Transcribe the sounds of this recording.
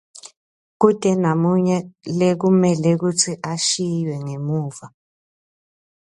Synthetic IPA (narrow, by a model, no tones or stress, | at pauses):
k̬ud̥ʱʼɛnamuɲɛlek̬umɛlek̬ut͡sʰiʔaʃijwɛŋemuːva